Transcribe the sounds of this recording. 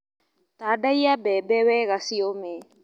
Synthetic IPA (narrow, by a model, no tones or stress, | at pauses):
t̪adajabebeweɣasiome